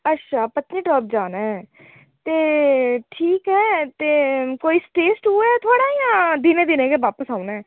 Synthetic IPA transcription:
ətːʃʰaːpət̪niːʈɔːp̚d͡ʒaːnaːɦɛː | t̪eːʈʰiːkɦɛːt̪eːkoːiːsʈeːsʈueɛt̪ʰʊaːɽaːijãːd̪ɪnẽːd̪ɪnẽːkeːʋaːpəsaːʊnaːɛː

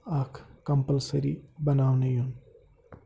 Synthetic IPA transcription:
akʰkːəmpəlsəɾḭːbənaʋnejuːn

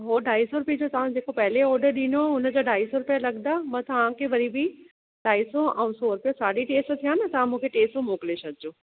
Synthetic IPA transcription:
ɦoːɖaːisoɾʊpjed͡ʑot̪ɐʋ̤ãd͡ʑeːkopɐɦɪleɔːɾɖəɾɗĩnoʊnə̆d͡ʑoɖaːisoɾʊpijalɐɠnd̪amɐ̃t̪ɐʋ̤ãkʰeʋɐɾibʱi | ɖaːisoʔɛ̃ũsoɾʊpijosaːɖiʈeːsʈt̪ʰijãːnət̪ɐʋ̤ãmũːkʰeʈeːsʈomoːklesɐɡɪd͡ʑoː

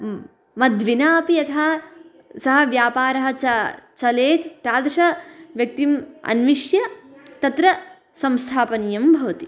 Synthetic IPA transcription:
mɐd̪ʋinaːpijɐt̪ʰa | sɐɦɐ̆ʋjaːpaːɾɐɦɐt͡ʃɐt͡ʃɐleːt̪t̪jaːd̪ɐʃɐʋjɐk̚t̪imɐ̰nʋiʂjɐt̪ɐt̪ɾɐ | sɐmst̪ʰaːpɐnijɐmbʱɐʋɐt̪i

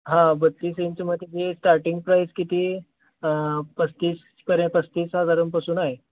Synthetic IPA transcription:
ɦãbət̪ːiːsent͡ɕiməd̪ʱːed͡ʑisʈaɾʈiŋɡ̚pɾajskit̪iː | pəst̪iːs | kəɾẽpəst̪iːsɦad̪ʱaɾəmpasuːnaɦe

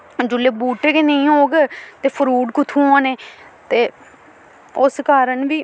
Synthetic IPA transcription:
d͡ʒʊleːbuːʈeːkenəĩːɦoːɡet̪eːpʰəɾuːɖkʊt̪ʰũːãːneːt̪eː | ʊskaːɾəɳʋiː

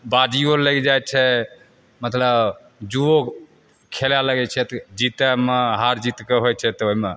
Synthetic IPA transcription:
bad̪ijoləɡd͡ʒaj̚t͡ʃʰɛ | mət̪ləb | d͡ʒuo | kʰelaləɡɛt͡ʃʰɛt̪d͡ʒit̪ɛmeɦaɾd͡ʒit̪keɦojt͡ʃʰɛt̪ɔoɦime

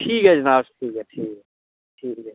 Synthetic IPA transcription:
ʈʰiːkɦɛd͡ʒənaːbsʈʰiːkɦɛʈʰiːkɛ | ʈʰiːkɦɛ

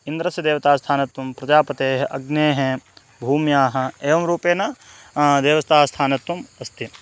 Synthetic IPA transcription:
ind̪ɾɐsjɐd̪eːʋɐt̪aːst̪ʰaːnɐt̪ʋɐmpɾɐd͡ʒaːpɐt̪eːɦɐʔɐɡneːɦe | bʱuːmjaːɦɐ̆eːʋɐmɾuːpeːnɐ | d̪eːʋɐst̪ʰaːɐst̪ʰaːnɐt̪ʋɐmɐst̪ʰi

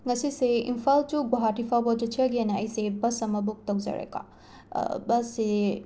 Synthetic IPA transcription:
ŋɐsiseḭmpʰaltuɡoɦatipʰabɔd͡ʒut͡ʃʰiɐɡienaɐjsebɐsɐmɐbuk̚tɐwza̰ɾḛka̰ | bɐsːe

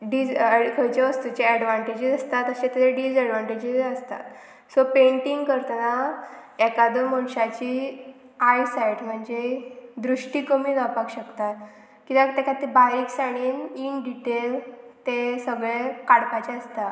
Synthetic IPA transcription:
ɖid͡zkʰəjt͡ɕeʋəst̪ut͡ɕeɛɽʋaɳʈed͡ʑid͡zəst̪at̪əɕẽt̪eteɖiːd͡zɛɽʋaɳʈed͡ʑizəst̪a̰t̪ | sɔpeɳʈiŋɡkəɾt̪naɛkad̪oməɳɕat͡ɕiː | ajsajʈm̤əɳd͡zed̪ɾuʂʈiːkəmiːd͡zapakɕəkt̪at̪ | kĩt̪ãt̪ekat̪ibaɾiːksaɽ̃iːninɖiʈelt̪esəɡɭekaɽpat͡ɕeəst̪a

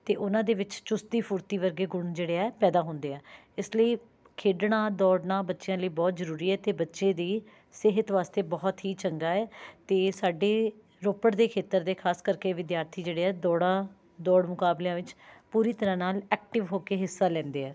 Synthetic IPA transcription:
t̪eːʔʊnãːd̪eːʋɪt͡ʃt͡ʃʊst̪iːpʰʊɾt̪iːʋəɾɡeːɡʊɳd͡ʒeːɽeːɛːpɛːd̪aːɦõʊːnd̪eːɛː | ɪsləiː | kʰeːɖɳãːd̪ɔːɽnãːbətːʃejãːləiːbɔːt̪zəɾuːɾiːɛːt̪eːbətːʃẽːd̪iː | sɪɦət̪ʋaːst̪eːbɔːt̪ɦiːt͡ʃəŋɡaːɛːt̪eːsaːɖeː | ɾoːpəɽd̪eːkʰeːt̪əɾd̪eːkʰaːskəɾkeːʋɪd̪jaːɾt̪ʰiːd͡ʒeːɽeːɛːd̪ɔːɽãː | d̪ɔːɽmʊkaːblejãːʋɪt͡ʃpuːɾiːt̪əɾãːnaːlɛːk̚ʈɪʋɦoːkeːɦɪsːaːlɛ̃ːnd̪eːɛː

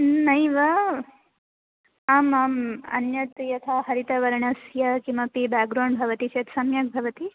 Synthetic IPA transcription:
nɐjʋɐ | ɐmɐmɐ̰njɐt̪jɐt̪ʰaɦɐɾit̪ɐʋɐɾɳɐsjɐkimɐpibaːɡɾoːɳbʱɐʋɐt̪it͡ʃʰeːt̪sɐmjɐk̚bʱɐʋɐt̪i

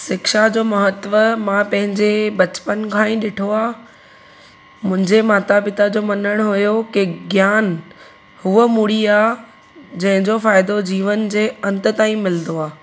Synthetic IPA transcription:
sɪkʃad͡ʑoːmɐɦət̪ʋəmãpɐ̃ɦɪ̃ɲd͡ʑebɐt͡ɕpənkʰãːĩɗɪʈʰoaː | mʊ̃ɦɪ̃ɲd͡ʑemaːt̪abɪt̪ad͡ʑoːmɐnəɽ̃ɦʊjokiɡjaːn | hʊəmuɽiaː | d͡ʑɐ̃ɦɪ̃ɲd͡ʑofaːɪd̪od͡ʑiːʋənd͡ʑeːɐ̃nt̪ə̆t̪aːĩmɪlənd̪oaː

